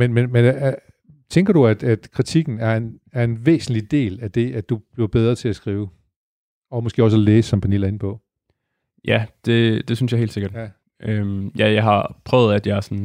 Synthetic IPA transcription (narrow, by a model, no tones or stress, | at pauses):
menmenmen | t͡sʰeŋɡ̥ɐɾ̥uæd̥æd̥kʰʁit͡sʰiɡ̥n̩æɐe̝n | æɐe̝nʋḛːsn̩lid̥e̝̰ːlæd̥e̝æd̥ub̥liɐb̥eð̞ˠʁɐt͡sʰe̝æsɡ̥ʁiːʊ | ɒ̽mɒsɡ̥e̝̰ːɒ̽sæleːsɒ̽mpʰænḭl̰æɐe̝nəpʰɒ̽ | jæd̥e̝d̥e̝syn̩sjɑ̈ɦḛːl̥dse̝ɡ̥ɐd̥ | ømjæjɑ̈ɪɦhɑ̈pʰʁœʊð̞̩ˠæd̥jɑ̈æɐsɔn